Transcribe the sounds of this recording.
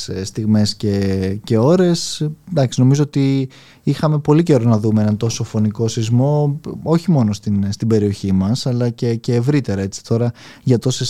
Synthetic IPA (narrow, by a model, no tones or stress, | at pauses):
st̪iɣme̞sce̞ce̞o̞ɾe̞sd̪ɐksino̞mizo̞ot̪i | ixɐme̞po̞lice̞ɾo̞nɐðumeenɐnt̪o̞so̞fo̞niko̞sizmo̞oçimo̞no̞st̪inst̪ibe̞ɾio̞çimɐsɐlɐce̞ce̞ːvɾit̪e̞ɾɐe̞t͡si̥t̪ʰo̞ɾɐʝɐt̪o̞se̞s